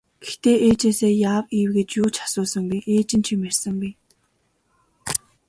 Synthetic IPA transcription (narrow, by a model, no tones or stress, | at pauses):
ɡ̥ext̪eːʔeːt͡ɕeːseːjaːwiːwɡĕt͡ɕjʊːt͡ɕʰḁsʊːsə̆ŋpiʔeːt͡ɕɪ̆nt͡ɕʰimær̥ʲsə̆ŋpi